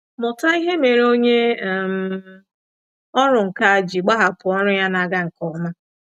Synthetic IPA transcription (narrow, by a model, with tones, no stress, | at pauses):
mʊ˨ta˦i˦ɦe˦me˨ɾo˦ɲe˦˨m̩˨ | ɔ˦ɾʊ˨ŋ̩˨ka˦a˨d͡ʒi˨ɡ͡ba˦ɦa˨pʊ˨ɔ˦ɾʊ˦ja˦na˨ɡa˦ŋ̩˨kɔ˨ma˦